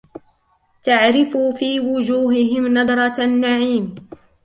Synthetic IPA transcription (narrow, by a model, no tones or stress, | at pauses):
t̪aʕɾɪfuːfiːwʊd͡ʒuːɦɪɦɪmnɑd̪ˤɾˤɑnːaʕiːm